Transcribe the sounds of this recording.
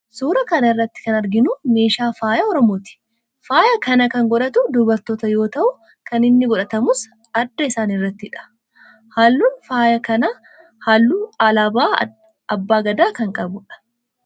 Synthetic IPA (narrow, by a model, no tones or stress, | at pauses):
suːɾɐkɐnɐɪrːɐt̪ːɪ̥kɐnɐɾɡɪnʊme̞ːʃaːfaːjɐɔɾɔmo̞ːt̪ɪ̥ | faːjɐkɐnɐkɐŋɡɔᶑɐt̪ʊd̪ʊbɐɾt̪oːt̪ɐjo̞ːt̪ɐʔʊ | kɐnɪnːɪɡɔᶑɐt̪ɐmʊs | ɐd̪ːɐɪsaːnɪrːɐt̪ːɪᶑɐ̥ | halːuːnfaːjɐkɐnɐ | haːlːuːaːlaːbaː | ɐbːaːɡɐd̪aːkɐŋkʼɐbʊᶑɐ̥